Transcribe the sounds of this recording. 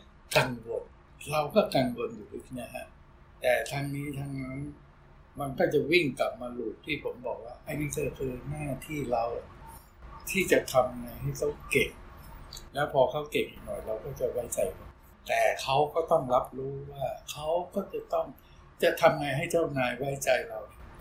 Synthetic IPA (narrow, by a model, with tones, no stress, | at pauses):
ka˧nwo˨˧˩t̚ | ɾa˧wkɔː˥˩ka˧nɡo˧njuː˨˩ʔi˦˥k̚ni˦˥˨kʰa̰˦˥ | t̪ɛː˨˩t̪ʰaː˧ŋniː˦˥t̪ʰaː˧ŋna˦˥n | ma˧nkɔː˥˩t͡ɕa˨˩wi˥˩ŋka˨˩p̚maː˧luː˨˩t̪̚t̪ʰːiː˥˩pʰo˩˦mbɔː˨˩k̚waː˥˩ʔa˧˩jniː˦˥˩kɔː˥˩kʰɯː˧naː˥˩t̪ʰiː˥˩ɾa˧w | t̪ʰiː˥˩t͡ɕa˨˩t̪ʰa˧mŋa˧jɦa˥˩jkʰa˦˥˩wke˨˩ŋ̚lɛː˦˥wpʰɔː˧kʰa˦˥wke˨˩k̚nɔ̰ː˨˩jɾa˧wkɔː˥˩t͡ɕa˨˩wa˦˥jt͡ɕa˧jka˧˩ | t̪ɛː˨˩kʰa˦˥wkɔː˥˩t̪ɔ˥˩ŋla˦˥p̚ɾuː˦˥waː˥˩kʰa˦˥wkɔː˥˩t͡ɕa˨˩t̪ɔ˥˩ŋ | t͡ɕa˨˩t̪ʰa˧mŋaː˧jɦa˥˩jt͡ɕa˥˩wnaː˧jwa˦˥jt͡ɕa˧jɾa˧w